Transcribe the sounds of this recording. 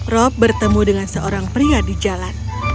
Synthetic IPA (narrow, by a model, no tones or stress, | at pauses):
rɔp̚bərt̪əmudəŋansəʔoɾaŋpɾiadid͡ʒalan